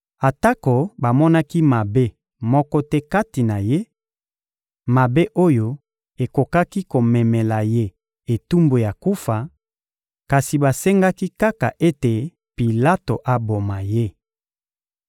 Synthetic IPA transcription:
a˨ta˦ko˨ba˨mɔ˦na˦ki˦ma˨be˦ | mɔ˦kɔ˦tɛ˦ka˦ti˨na˨je˦ | ma˨be˦ʔo˦jo˦ | e˨ko˨ka˦ki˦ko˨mɛ˨mɛ˨la˨je˦ | e˨tu˦mbo˨ja˨ku˦fa˨ | ka˨si˨ba˨sɛ˦ŋɡa˦ki˦ka˦ka˨ʔe˦te˨ | pi˨la˦to˨ʔa˨bo˨ma˨je˦

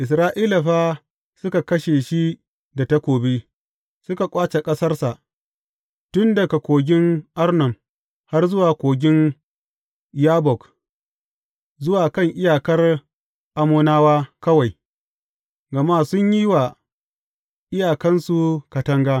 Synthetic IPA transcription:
ʔɪ˨s̬ɾaː˦ʔiː˦la˨ɸaː˦ | sʊ˦ka˨kɐ˦ʃe˨ʃi˦ | da˨ta˦kʷoː˨beː˦ | sʊ˦ka˨kʷʼaː˦t͡ʃe˨kʼɐ˦sɐ˦rsa˨ʔ | tʊ˦nda˨ka˨kʷoː˨ɡʲɪ˦ŋʔa˦rnɐ˨m | ha˦rzʊ˦waː˨kʷoː˨ɡʲɪ˦n | jaː˦bɔ˨k | zʊ˦waː˨kɐ˦˨ŋʔɪ˦jaː˨kɐ˦r | ʔa˨mʊː˦naː˦waː˦kɐ˦wa˨j | ɡɐ˨ma˦sʊ˦ɲji˦jwa˨ | ʔɪ˦jaː˨kɐ˦nsu˨ka˨tɐ˦ŋɡaː˦

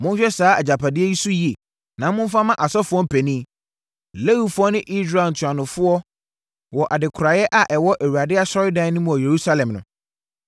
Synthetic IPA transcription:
mʊ̃˦n˦ɕᶣɛ˦saː˦a˨d͡ʑa˨pʰa˨dɪ˦ɛ˦ji˦su˦ji˨e˨ | nã˨˦mʊ̃˦m˦fa˦mã˦ʔa˨sɔ˦fʊ˦ɔ˦m̩˦pʰæ˨nĩː˦ | le˦wi˦fʊ˦ɔ˦nɪ̃˦ʔi˦sɾa˨n̩˨tʰʊ˨a˨nʊ̃˨fʊ˦ɔ˦ | wɔ˨ʔa˨dɪ˨kʰʊ˨ɾa˨jɛ˦ʔa˨ʔɛ˨wɔ˦ʔæ˨wu˨a˨dɪ˦a˦sɔ˦ɾɪ˦dã˦nʊ̃˦mũ˨ɔ˨je˨ɾu˦sa˦lɛ̃˨mnʊ̰̃˨

